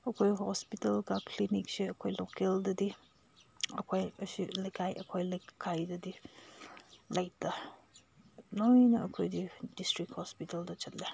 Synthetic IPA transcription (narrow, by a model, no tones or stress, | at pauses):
ɐkʰojɦɔspitɐlkakʰliniksiɐkʰojlokeldɐdi | ɐkʰojəsilekʰajʔɐkʰojlekkʰajdɐdi | lajta | nojnɐɐkʰojdidistɾik̚hɔspitɐldɐt͡ʃɐtle